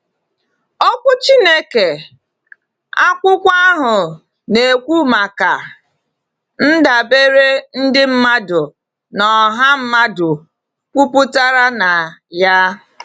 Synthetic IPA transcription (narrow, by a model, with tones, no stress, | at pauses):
ɔ˦kʷʊ˦t͡ʃi˦ne˦ke˨ | a˦kʷʊ˦kʷa˦ɦʊ˨ | ne˨kʷu˦ma˨ka˨ | n̩˦da˨be˦ɾe˦n̩˦dɪ˦m̩˦ma˦dʊ˨ | nɔ˨ɦa˦m̩˦ma˦dʊ˨ | kʷu˦pʊ˦ta˦ɾa˦na˨ja˦